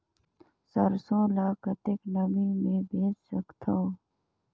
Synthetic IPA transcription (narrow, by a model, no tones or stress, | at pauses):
səɾsõːlaːkət̪ɪknəbiːmẽːbʱeːt͡ʃsəkt̪ʰoː